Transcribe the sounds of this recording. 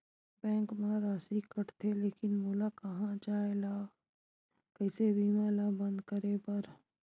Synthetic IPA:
bɛ̃ːŋkmãɾaːsikəʈt̪ʰeleːkɪnmoːlakɐɦãt͡ʃaːela | kəɪsebʱiːmaːlabə̃nd̪kəɾepəɾ

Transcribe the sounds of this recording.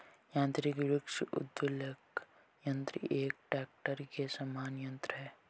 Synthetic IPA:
jãːnt̪ɾiɡɾukʃʔṵd̪ʋulek | jɐ̃nt̪ɾḭʔeːk̚ʈɛːk̚ʈəɾkesɐmaːnjɐ̃nt̪ɾɐɦɛː

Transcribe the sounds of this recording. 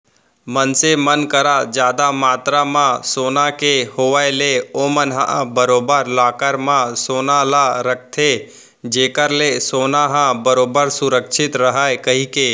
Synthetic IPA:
mənsemənkəɾad͡ʒjaːd̪amaːt̪ɾamãsoːnakehoːʋaeleoːmənɦã̰ʔbəɾoːbəɾlaːkəɾmãsoːnalaɾək̚ʰt̪ʰe | d͡ʒeːkəɾlesoːnaɦãbəɾoːbəɾsʊɾəkʃʰɪt̪ɾəɦaːekəɦikeː

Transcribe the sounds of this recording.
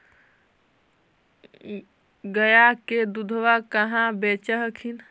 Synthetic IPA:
ɡəjaked̪ud̪ʱʋakəɦãbet͡ʃəɦəkʰin

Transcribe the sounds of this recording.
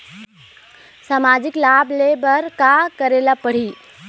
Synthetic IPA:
samad͡ʒiklablebəɾkakəɾelapəɽ̤i

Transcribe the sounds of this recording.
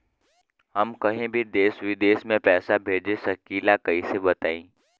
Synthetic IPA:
hɐmkɐɦẽbʱid̪eːsʋid̪eːsmẽpɛːsabʱeːd͡ʒesɐkiːlakɐisebɐt̪aːĩː

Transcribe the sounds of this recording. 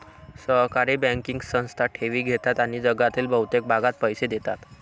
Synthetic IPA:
səɦkaɾiːbə̃ŋkiŋɡsə̃w̃st̪ʰaʈʰeʋiːɡʱet̪at̪aɽ̃id͡zəɡat̪iːlbʱəwt̪ek̚bʱaɡat̪̚pəjsed̪et̪at̪

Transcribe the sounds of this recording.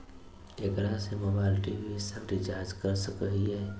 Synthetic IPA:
ʈekɾasemoːbaːlʈibʱisəbʈɪd͡ʒaːɾd͡ʒkəɾsəkəɦiɦɛː

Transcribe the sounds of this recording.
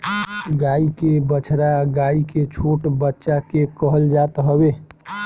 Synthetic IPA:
ɡaikebət͡ʃʰɾaɡaiket͡ʃʰoʈbətːʃakekəɦəld͡ʒat̪ɦəbe

